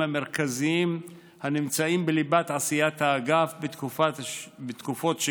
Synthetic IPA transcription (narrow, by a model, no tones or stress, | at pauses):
hameʁkaziim | hanimt͡saimbelibat̪ʕasijat̪haːɡafbet̪kufabet̪kufo̞t̪ʃe